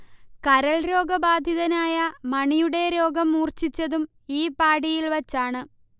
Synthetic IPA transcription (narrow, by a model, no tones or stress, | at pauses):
kɐɾɐɭɾo̞ːɡɐbaːd̪ʱjiðɐnaːjɐmɐɳijuɽe̞ɾo̞ːɡɐmːuːrt͡ɕit͡ɕːɐðum | iːpaːɽijilʋɐt͡ɕːaːɳɨ